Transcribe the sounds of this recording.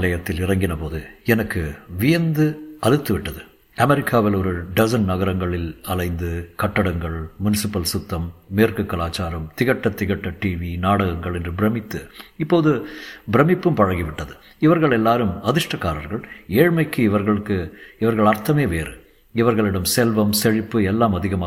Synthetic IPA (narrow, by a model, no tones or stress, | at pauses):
lɐjɐt̪ːɪlɪrɐŋɡɪnɐpoːðɯɛnɐkːɯʋɪjɐnd̪ɯɐɻɯt̪ːɯʋɪʈːɐðɯ | ɐmɛɾɪkːaːʋɪlɔɾɯɖɐsɐnnɐɣɐɾɐŋɡɐɭɪlɐlɐɪnd̪ɯkɐʈːɐɽɐŋɡɐɭmʊnɪsɪpːɐlsʊt̪ːɐmːeːrkɯkːɐlaːt͡ʃːaːɾɐmt̪ɪɣɐʈːɐt̪ɪɣɐʈːɐʈiːʋinaːɽɐɣɐŋɡɐɭɛndrɯbɪɾɐmɪt̪ːɯɪpːoːðɯbɪɾɐmɪpːɯmpɐɻɐŋɡiʋɪʈːɐðɯ | ɪʋɐɾɣɐɭɛlːaːɾɯmɐðɪʂʈɐkːaːɾɐɾɣɐɭeːɻmɐɪkːɯɪʋɐɾɣɐɭɯkːɯɪʋɐɾɣɐɭɐɾt̪ɐmeːʋeːɾɯ̰ | ɪʋɐɾɣɐɭɪɽɐmsɛlʋɐmsɛɻɪpːɯɛlːaːmɐðɪɣɐmaː